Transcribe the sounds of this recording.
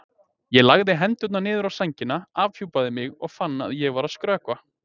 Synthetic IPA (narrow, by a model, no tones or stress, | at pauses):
jɛɣlaɣðɪɦɛnt̪ʏt̪nanɪːðʏɾawsaɲcɪnaaːvfjuwpaðɪmɪɣɔɣfanːa̰ðjɛɣvaɾaðskɾœːkva